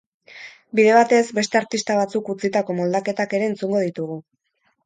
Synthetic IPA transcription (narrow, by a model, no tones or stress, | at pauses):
biðe̞β̞at̪e̞zbe̞st̪e̞aɾt̪ist̪aβ̞at͡sukut͡sit̪ako̞mo̞ld̪ake̞t̪ake̞ɾeːnt͡suŋɡo̞ðit̪uɣu